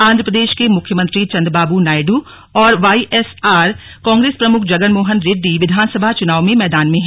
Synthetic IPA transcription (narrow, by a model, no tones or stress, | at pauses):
ãːnd̪ʱɾəpɾəd̪eːʃkemʊkʰjəmə̃nt̪ɾit͡ʃɐ̃nd̪ɾbaːbunaːɪɖu | ɔːɾʋaːiʔɛːsaːɾ | kãːŋɡɾeːspɾɐmʊkʰd͡ʒɐɡənmoːɦənɾeːɖːiʋɪd̪ʱaːnsəbʱat͡ʃʊnaːʋmẽmɛːd̪aːnmẽɦɛ̃ː